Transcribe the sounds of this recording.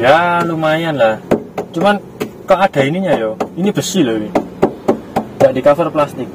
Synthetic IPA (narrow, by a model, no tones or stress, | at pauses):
jalumajanlaht͡ʃuman | kaʔad̥a̤iniɲajoinib̥əsilowi | ɡaʔdikafɪrplast̪ɪk̚